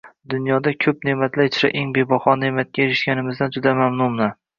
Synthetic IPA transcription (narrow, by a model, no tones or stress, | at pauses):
d̪ʊnjɒd̪akʲʰɵp̚nemat̪ʰlat͡ʃʰɾa̰ʔeŋbe̞bɒχɒnemat̪̚kʲajeɾɪʃkʲanɪmɪzd̪and͡ʒʊd̪amamnʊmna